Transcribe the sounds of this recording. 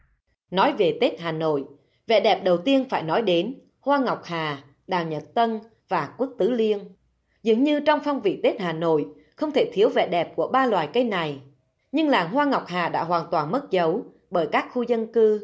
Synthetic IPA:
nɔ˨˦jve˨˩t̪e˦˥t̚haː˨˩no̰˧˨jʔ | vɛ̰˧˨ɗɛ˨˩p̚ɗə˨˩wt̪i˧ənfaː˧˩jnɔ˨˦jɗe˨˦n | hwaː˧ŋɔ˨˩wk͡p̚haː˨˩ | ɗaː˨˩wɲə˨˩t̚t̪ə˧n | vaː˨˩kwu˦˥ək̚t̪ɨ˨˦li˧ən | zɨ̰˨˧˦əŋɲɨ˧t͡ɕɔ˧wŋ͡mfɔ˧wŋ͡mvḭ˧˨t̪e˦˥t̚haː˨˩no̰˧˨j | xə˧wŋ͡mt̪ʰe˧˩t̪ʰi˨˦əwvɛ̰˧˨ɗɛ˨˩p̚ku˧˩əɓaː˧lwaː˨˩jkə˧jna˨˩j | ɲɨ˧ŋlaː˨˩ŋɦwaː˧ŋɔ˨˩wk͡p̚haː˨˩ɗa̰ː˧˥ɦwaː˨˩nt̪waː˨˩nmə˦˥t̚zə˨˦w | ɓəː˧˩jkaː˦˥k̚xu˧zə˧nkɨ˧

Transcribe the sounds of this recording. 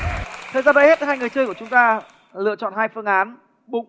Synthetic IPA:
t̪ʰəː˨˩jzaː˧ɓə̰˧˥he˦˥t̚ɦaː˧jŋɨ˨˩əjt͡ɕəː˧jku˧˩ət͡ɕʊ˨˦ŋ͡mt̪aː˧ | lɨ̰˧˨ət͡ɕɔ̰˧˨nhaː˧jfɨ˧əŋʔaː˨˦n | ɓʊ˨˦ŋ͡m

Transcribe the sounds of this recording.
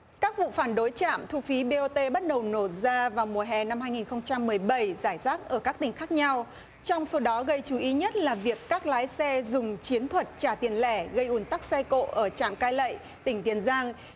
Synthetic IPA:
kaː˦˥k̚vṵ˧˨faː˧˩nɗo˨˦jt͡ɕa̰ː˧˨mt̪ʰu˧fi˨˦ɓe˧ʔo˧t̪e˧ɓə˦˥t̚ɗə˨˩wno˧˩t̚zaː˧vaː˨˩wmu˨˩əɦɛ˨˩na˧mhaː˧jŋi˨˩nxə˧wŋ͡mt͡ɕa˧mːɨ˨˩əjɓə˧˩jzaː˧˩jzaː˦˥k̚ʔəː˧˩kaː˦˥k̚t̪ï˩ŋ̟xaː˦˥k̚ɲa˧w | t͡ɕɔ˧wŋ͡mso˨˦ɗɔ˨˦ɣə˧jt͡ɕu˨˦ʔi˨˦ɲə˦˥t̚laː˨˩vi˨˩əkːaː˦˥k̚laː˨˦jsɛ˧zʊ˨˩ŋ͡mt͡ɕi˨˦ənt̪ʰwə˨˩t̚t͡ɕaː˧˩t̪i˨˩ənlɛ˧˩ɣə˧jʔu˨˧˩ənt̪a˦˥k̚sɛ˧ko̰˧˨ʔəː˧˩t͡ɕa̰ː˧˨mkaː˧jlə̰˧˨j | t̪ï˧˩ŋ̟t̪i˨˩ənzaː˧ŋ

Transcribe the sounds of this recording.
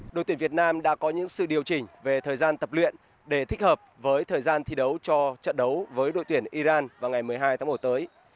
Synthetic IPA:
ɗo̰˨jt̪i˧˩vi˨˩ət̚naː˧mɗa̰ː˧˥kɔ˨˦ɲɨ̰˧˥ŋsɨ̰˧˨ɗi˨˩əwt͡ɕï˨˩ŋ̟ve˨˩t̪ʰəː˨˩jzaː˧nt̪ə˨˩p̚lwḭ˧˨n | ɗe˧˩t̪ʰï˦˥k̟̚həː˨˩p̚vəː˨˦jt̪ʰəː˨˩jzaː˧nt̪ʰi˨˧˦ɗə˨˦wt͡ɕɔ˧t͡ɕə̰˧˨nɗə˨˦wvəː˨˦jɗo̰˧˨jt̪wi˧˩ənʔi˧zaː˧nvaː˨˩wŋa˨˩jmɨ˨˩əjɦaː˧jt̪aː˨˦ŋ͡mm˧˩t̚t̪əː˨˦j

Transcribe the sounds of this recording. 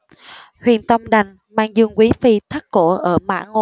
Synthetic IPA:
hwḭ˧˨ənt̪ə˧wŋ͡mɗa˨˩jŋ̟ | maː˧ŋzɨ˧əŋkwi˨˦fi˧t̪ʰa˦˥k̚ko˧˥ʔəː˧˩ma̰ː˧˥ŋo˧

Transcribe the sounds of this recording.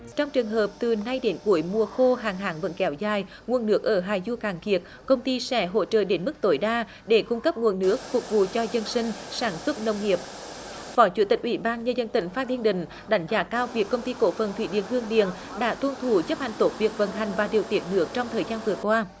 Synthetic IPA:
t͡ɕɔ˧wŋ͡mt͡ɕɨ˨˩əŋɦəː˨˩p̚t̪ɨ˨˩na˧jɗe˨˦nku˨˧˩əjmu˧˩əxo˧ɦaː˨˩ŋɦa̰ː˨˦ŋvə̰˧˥nkɛ˨˧˦wzaː˨˩j | ŋu˨˩ənːɨ˦˥ək̚ʔəː˧˩ɦaː˨˩jzu˧kaː˨˩ŋki˨˩ət̚ | kə˧wŋ͡mt̪i˧sɛ˧˩ɦo̰˧˥t͡ɕə̰ː˧˨ɗe˨˦nmɨ˦˥k̚t̪o˧˦jɗaː˧ | ɗe˧˩kʊ˧ŋ͡mkə˦˥p̚ŋu˨˩ənːɨ˦˥ək̚fʊ˨˩k̚vṵ˧˨t͡ɕɔ˧zə˧nsï˧ŋ̟saː˧˩nswə˦˥t̚nə˧wŋ͡mŋi˨˩əp̚ | fɔ˨˦jt͡ɕu˧˩˦t̪ï˨˩k̟ʔi˧˩ɓaː˧nɲəː˧zə˧nt̪ï˧˩ŋ̟faː˦˥t̪ʰi˧ənɗï˧˩ŋ̟ | ɗa˨˦jŋ̟zaː˨˦kaː˧wvi˨˩əkːə˧wŋ͡mt̪i˧ko̰˧˥fə˨˩nt̪ʰwḭ˧˦ɗḭ˧˩ənhɨ˧əŋɗḭ˧˨ən | ɗa̰ː˧˥t̪wə˧nt̪ʰu˧˩t͡ɕə˦˥p̚ha̰˨ŋt̪o˨˦˥p̚vi˨˩ək̚və̰˧˨˩nɦa˨˩jŋ̟vaː˨˩ɗi˨˩əwt̪ḭ˧˩ənnɨ˦˥ək̚t͡ɕɔ˧wŋ͡mt̪ʰəː˨˩jzaː˧nvɨ˨˩əkwaː˧

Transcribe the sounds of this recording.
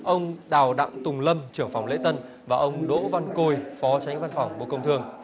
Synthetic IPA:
ʔə˧wŋ͡mɗaː˨˩wɗa̰˧˨ŋ͡mt̪ʊ˨˩ŋ͡mlə˧mt͡ɕɨ˧˩əŋfa˨˩wŋ͡mlḛ˧˥t̪ə˧n | vaː˨˩ʔə˧wŋ͡mɗo̰˧˥va˧nko˧˩jfɔ˨˦t͡ɕa˨˦jŋ̟va˧nfa˨˩wŋ͡mɓo̰˧˨kə˧wŋ͡mt̪ʰɨ˧əŋ

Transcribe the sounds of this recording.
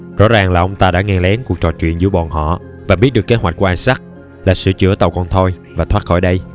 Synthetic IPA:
zɔ̰˧˥zaː˨˩ŋlaː˨˩ʔə˧wŋ͡mt̪aː˧ɗa̰ː˧˥ŋɛ˧lɛ˨˦nku˨˩ək̚t͡ɕɔ̰˧˨˩t͡ɕwḭ˧˨ənzɨ̰˧˥ɓɔ˨˩nɦɔ̰˧˨ | vaː˨˩ɓi˦˥t̚ɗɨ˨˩əkːe˨˦˥hwa˨˩k̚ku˧˩˦ʔaː˧jsa˦˥k̚ | laː˨˩sɨ̰˧˨t͡ɕɨ̰˧˥ət̪ə˨˩wkɔ˧nt̪ʰo˧j | vaː˨˩t̪ʰwaː˦˥t̚xɔ̰˧˩jɗə˧j

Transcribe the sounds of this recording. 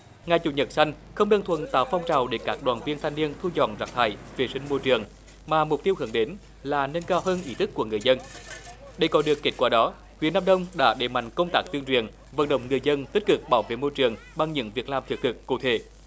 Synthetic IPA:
ŋa˨˩jt͡ɕu˧˩ɲə˨˩t̚sa˧jŋ̟xə˧wŋ͡mɗə˧ŋt̪ʰwə̰˧˨nt̪a̰ː˧˨˩wfa˧wŋ͡mt͡ɕaː˨˩wɗe˧˩kaː˦˥k̚ɗwaː˨˩nvi˧ənt̪ʰa˧jŋni˧ənt̪ʰu˧t͡ɕɔ̰˧˨nzaː˨˩t̪ʰaː˧˩jve˨˩sï˧ŋ̟mo˧jt͡ɕɨ˨˩əŋ | maː˨˩mʊ˨˩k͡p̚t̪i˧əwhɨ˧˩nɗe˨˦n | laː˨˩nə˧nkaː˧wɦəː˧nʔi˨˦t̪ʰɨ˦˥kːu˧˩əŋɨ˨˩əjzə˧n | ɗə˧˩jkɔ˨˦ɗɨ˨˩əkːe˦˥t̚kwaː˧˩ɗɔ˨˦ | hwḭ˨˥ənːaː˧ɗə˧wŋ͡mɗa̰ː˧˥ɗe˨˩ma̰˧˨jŋ̟kə˧wŋ͡mt̪aː˦˥k̚t̪i˧əŋt͡ɕwḭ˧˨˩ən | və̰˧˨˥nɗə̰˧˨wŋ͡mŋɨ˨˩əjzə˧nt̪i˦˥k̟̚kɨ˨˩k̚ɓaː˧˩wvḛ˧˨mo˧jt͡ɕɨ˨˩əŋ | ɓa˧ŋɲɨ̰˧˥ŋvi˨˩ək̚laː˨˩mt̪ʰɨ˨˩k̚t̪ʰɨ˨˩kːu˧˩t̪ʰe˧˩

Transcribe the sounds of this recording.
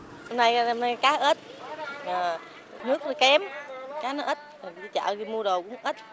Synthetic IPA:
ɔ˧na˧jŋ͡mna˧jkaː˨˦ʔəː˦˥t̚əː˨˩ | nɨ˦˥ək̚nɔ˨˦kɛ˨˦mkaː˨˦nɔ˨˦ʔə˦˥t̚ɔ˨˩˨i˨˧˦t͡ɕa̰ː˧˨zi˨˧˩mu˧əɗo˨˩wkʊ̰˧˥ŋ͡mʔəː˦˥t̚

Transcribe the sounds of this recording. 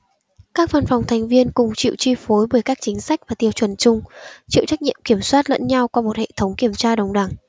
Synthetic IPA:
kaː˦˥k̚va˧nfa˨˩wŋ͡mt̪ʰa˨˩jŋ̟vi˧ənkʊ˨˩ŋ͡mt͡ɕḭ˧˨wt͡ɕi˧fo˨˦jɓəː˧˩jkaː˦˥k̚t͡ɕï˨˦ŋ̟sa˦˥jk̟̚vaː˨˩t̪i˧əwt͡ɕwə˨˩nt͡ɕʊ˧ŋ͡mt͡ɕḭ˧˨wt͡ɕa˦˥k̚ɲi˧˨əmki˧˩əmswaː˦˥t̚lə̰˧˥nɲa˧wka˧mo˨˩t̚hḛ˧˨t̪ʰə˨˦wŋ͡mki˧˩əmt͡ɕaː˧ɗə˨wŋ͡mɗa˧˩ŋ

